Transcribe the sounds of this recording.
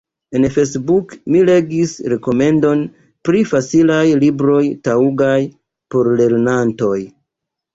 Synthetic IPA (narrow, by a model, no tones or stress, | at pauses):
e̞nfesbukmile̞ɡisɾe̞ko̞me̞ndo̞n | pɾifat͡silajlibɾo̞jtauɡaj | po̞ɾle̞ɾnanto̞j